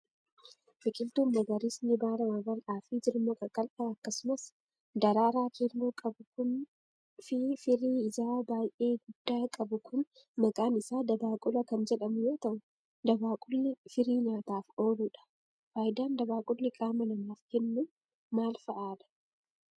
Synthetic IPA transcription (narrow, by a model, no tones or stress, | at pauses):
bɪkʼɪlt̪uːmːɐɡɐɾiːsnɪbaːɾɐmɐbɐlʔaːfid͡ʒɪɾmɔkʼɐkʼɐlʔaːɐkːɐsʊmɐs | d̪ɐɾaːɾaːkiɾmokʼɐbʊkʊn | fɪɾiːɪzaːbaːjʔe̞ːɡʊd̪̥ːaːkʼɐbʊkʊn | mɐkʼaːnɪsaːd̪ɐbaːkʼʊlɐkɐnd͡ʒɛᶑɐmʊjoːt̪ɐʔʊ | d̪ɐbaːkʼʊlːɪfɪɾiːnaːt̪aːfo̞ːluːᶑɐ̥ | faːjd̪aːnd̪ɐbaːkʼʊlnɪkʼaːmɐlɐmaːfkɛnːu | maːlfɐʔaːᶑɐ̥